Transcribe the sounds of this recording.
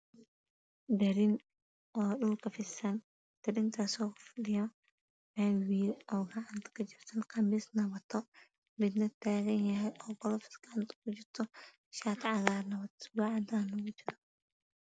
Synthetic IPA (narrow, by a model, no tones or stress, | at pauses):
d̪ɐɾɪn | ʔɔːɗʊlkʰɐfɪsɐn | t̪ɐɾɪnt̪ʰasɔːkfʊɗɪjɔ | mɛnwiːlɔːɡɐʕant̪kʰɐd͡ʒɪrt̪ʰɐnqɐmɪsnɐβɐt̪ʰːɔ | bɪd̪nɐt̪ʰːaːɣɛnjɐɦɛjʔɔːbɔlɔfɪ̥sɡ̥ɐʕant̪ɡʊd͡ʒɪɾt̪ʰɔ | ʃaːt̪ʰʕaɣaːnɐβɐt̪baʕad̪anɐɡʊd͡ʒɪɾɔ